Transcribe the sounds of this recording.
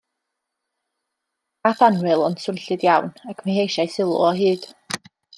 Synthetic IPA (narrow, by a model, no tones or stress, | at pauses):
aθanwɨlˠɔnsʊnɬɨdjawnakʰmahejʃajsɪlˠʊ̰ɔɦɨːd̥